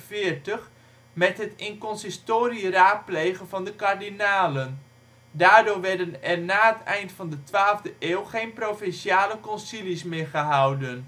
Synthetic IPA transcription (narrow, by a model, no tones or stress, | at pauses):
fɪːəɹtəχ | mɛtɦətɪŋkɔnsɪstoːriəraːt̚plejχənvɑndəkaɹdinaːlən | daːɹdʊːɹʋɛɹdənɛɹnaːətɛjntfɑndətʋaːlˠvdəʔeːlˠχejnprowfɛnʃiaːləkɔnsilismɪːɹχəɦʌwdən